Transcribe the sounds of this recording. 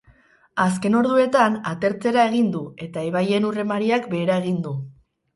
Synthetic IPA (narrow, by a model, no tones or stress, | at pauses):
as̬ke̞no̞ɾðue̞t̪anat̪e̞ɾt͡se̞ɾae̞ɣ̞ind̪ue̞t̪aeβaje̞nure̞maɾiakbe̞ːɾae̞ɣ̞ind̪u